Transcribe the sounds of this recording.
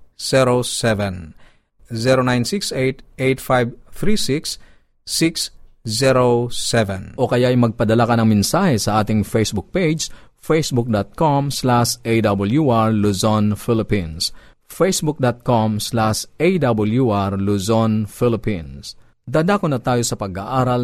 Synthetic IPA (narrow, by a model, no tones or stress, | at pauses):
sɛɾosɛvɛn | zɛɾonajnsiksejt̪ejt̪̚fajbθɾisiks | sikszɛɾosɛvɛnʔokɐjaɐjmɐɡ̚pɐd̪ɐlakɐnɐŋmɛnsaːhɛsɐʔaːt̪ɪŋfejsbʊk̚ped͡ʒ | fejsbʊk̚d̪at̪̚komslaʃʔejd̪ɐbɐljuʔaɹluzonfilɪpĩns | fejsbʊk̚d̪at̪̚komslaʃʔejd̪abɐljuʔaɹluzonfilɪpĩns | d̪ad̪akonɐt̪aːjosɐpɐɡaʔaːɾɐl